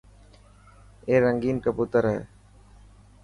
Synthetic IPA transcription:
eːɾəŋɡiːnkəpuːt̪əɾɦɛ̰ː

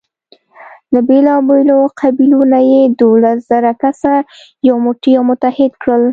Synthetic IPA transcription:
d̪əbelɑbeloqʰabilonajed̪olasz̥aɾakasa | jawmʊʈijɑmʊt̪ahɪd̪kɽəl

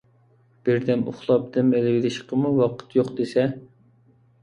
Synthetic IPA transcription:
b̥ɪɾd̪ɛnuʊ̰χlˠɑp̚d̪ɪmelɪwɪlɪʃqʰəmuwɑqʰə̥t̪ʰjoqd̪esɛ

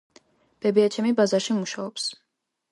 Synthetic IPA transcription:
b̥ɛbiat͡ʃʰɛmibazaɾʃimuʃaɔps

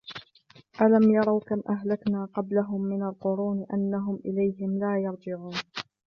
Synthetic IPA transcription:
ʔalamjɑɾˤɑwkamʔaɦlaknaːqɑblaɦʊmːɪnalqʊɾuːnʔanːaɦʊmʔɪlajɦɪmlaːjɑɾˤd͡ʒɪʕuːn

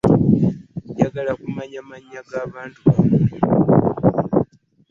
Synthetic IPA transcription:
ɟaɡalakumaɲamaɲaɡaβaːntua

